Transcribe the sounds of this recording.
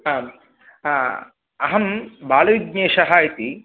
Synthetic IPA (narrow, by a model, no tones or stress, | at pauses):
aː | ɐɦɐmbaːlɐʋiɡ̚ɲeːʃɐɦaːjit̪i